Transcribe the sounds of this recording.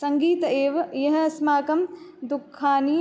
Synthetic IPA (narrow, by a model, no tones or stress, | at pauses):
sɐŋɡiːt̪ɐeːʋɐjɐɦɐɐsmaːkɐmd̪ukʰːaːniː